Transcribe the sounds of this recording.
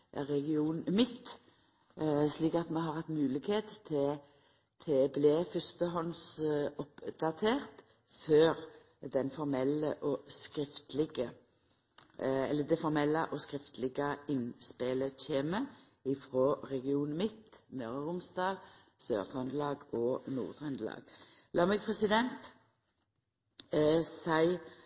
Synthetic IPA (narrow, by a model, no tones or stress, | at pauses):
ʁɛɡɪuːnmɪt̪ː | sliːkɑt̪mɛɦɑʁhɑt̪ːmʉːlɪkheːt̪ʰɛ | t̪ʰɛblɛfʏst̪əɦɔnsɔpd̪ɑt̪ʰeːʁt̪ | føːʁ | d̪ɛnfɔɾmɛlə̰ʔɔskɾɪft̪lɪɡə | ɛlːəd̪ɛfɔʁmɛlːəʔɔskʁɪft̪lɪɡəɪnspeləc͡çʰeːmə | ɪfʁoːʁɛɡɪuːnmɪt̪mœʁəʁʊmsd̪ɑːl | sø̰ːʁt̪ʰɑnd̪lɑːɡɔːnṵːʁd̪ʁœnd̪lɑ̰ːɡ̥ | lʔɑːmɛɡ̚pʰʁɛsɪd̪ɛnt̪ | sæɪ